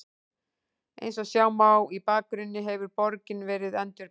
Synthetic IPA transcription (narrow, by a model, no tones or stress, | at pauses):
ḛjnsɔɣsjaːwmawipaːkɾʏnːɪɦɛvʏɾpɔɾcɪnvɛːɾɪðɛnt̪ʏɾ